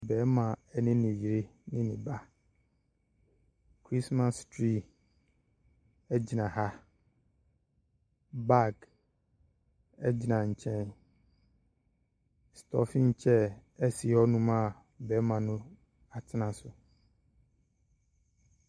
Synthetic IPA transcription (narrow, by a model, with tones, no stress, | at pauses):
bɛ˨˦mã˨ɛ˦nɪ̃˦nɪ̃˨ji˨ɾe˦nɪ̃˦nɪ̃˨ba˦ | kʰɾi˦sma˦stɾi˦˨ | ɛ˦d͡ʑi˨nã˨ha˦ | ba˦k | ɛ˦d͡ʑɪ˨nã˨ɲ̩˨t͡ɕʰɛ̃˦n | stʰɔ̰˦fĩ˦n˨t͡ɕʰɛ˦ɛ˦si˨˦ɔ˦nũ˦mã˦˨ | bɛː˨˦mã˨nʊ̃˦ | a˨tʰɪ˦nã˨sʊ˨